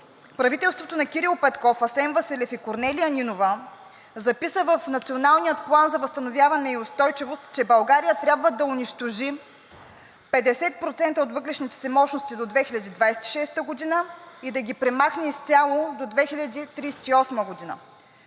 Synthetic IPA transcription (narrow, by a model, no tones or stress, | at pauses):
pɾɐvit̪ɛlˠst̪vot̪onɐkʲiɾilˠpɛt̪kɔfɐsɛnvɐsɛlɛfikoɾnɛliəninovə | zɐpisəvəfnɐt̪sionalˠnijət̪̚plˠanzɐvɐst̪ɐnovʲjavɐnɛiost̪ɔjt͡ʃɛvost̪t͡ʃɛbɐlˠɡaɾijət̪ɾʲabvəd̪ɐʊniʃt̪oʒi | pɛd̪ɛsɛt̪̚pɾot̪sɛnt̪əot̪vɤk̪ɾɛʃnit̪ɛ̥sɛmɔt͡ʃnost̪id̪od̪vɛxilʲɐd̪id̪vajsɛt̪i̥ʃɛst̪əɡod̪inəid̪ɐɡʲipɾɛmaxnɛist̪sʲalˠod̪od̪vɛxilʲɐd̪it̪ɾiːsɛ̥t̪iɔsməɡod̪inə̰